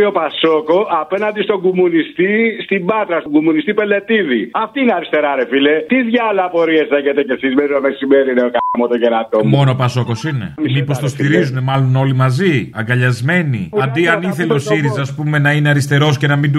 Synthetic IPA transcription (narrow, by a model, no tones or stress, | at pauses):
io̞paso̞ko̞ɐpe̞nɐnd̪ist̪o̞ɡumunist̪ist̪ibɐt̪ɾɐst̪oɡumunist̪ipe̞le̞t̪iðiɐft̪iineɐɾist̪e̞ɾɐɾefilet̪izʝɐlɐpo̞ɾieseʝet̪ecesizmeɾinomesimeɾineokamot̪oʝeɾɐt̪omo̞nopɐso̞ko̞sine̞̰mipo̞st̪ost̪iɾizune̞mɐlo̞no̞limɐziɐ̰ŋɡɐʎɐzme̞nḭɐnd̪iɐniθe̞leosiɾizɐːspume̞nɐineɐɾist̪e̞ɾo̞sce̞nɐmind̪